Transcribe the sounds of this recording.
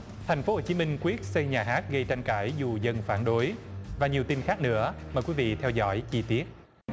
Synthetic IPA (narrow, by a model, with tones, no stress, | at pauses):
t̪ʰa˨˩jŋ̟fo˨˦ho˨˩t͡ɕi˨˦mï˧ŋ̟kwi˦˥ət̚sə˧jɲaː˨˩ɦaː˦˥t̚ɣə˧jt͡ɕa˧jŋ̟kaː˧˩jzu˨˩zə˧nfaː˧˩nɗo˨˦jvaː˨˩ɲi˨˩əwt̪i˧nxaː˦˥k̚nɨ̰˧˥əmɔː˨˩jkwi˨˦vḭ˧˨t̪ʰɛ˧wzɔ̰˧˥jt͡ɕi˧t̪i˦˥ət̚